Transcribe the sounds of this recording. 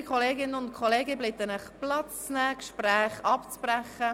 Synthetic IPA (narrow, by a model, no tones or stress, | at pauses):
kʰχɔleːɡɪnənʊntkʰoleːɡəblɪt̪ːənəχplɑt͡st͡snɛːkʃpɾæːχɑpt͡sb̥ræχə